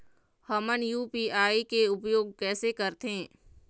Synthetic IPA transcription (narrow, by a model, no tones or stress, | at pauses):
həmənjuːpiaːikeʊpjoːɡ̚kɛːsekɐɾt̪ɦẽː